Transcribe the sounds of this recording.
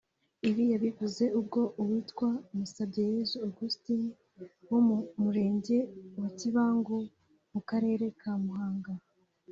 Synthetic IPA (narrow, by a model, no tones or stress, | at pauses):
iβijaβivuze̞ub̚ɡo̞ʔuwiːtkwaumusabɟejezuoɡusti | wommuɾe̞ːɲɟe̞waciβaːŋɡo | mukaɾe̞ːɾe̞kʰaːmuɦaːŋɡa